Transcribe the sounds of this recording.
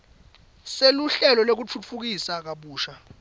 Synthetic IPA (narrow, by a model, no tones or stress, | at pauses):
seluɬɛlɔlok̬ut͡fʰut͡fʰuk̬isak̬aɓuːʃa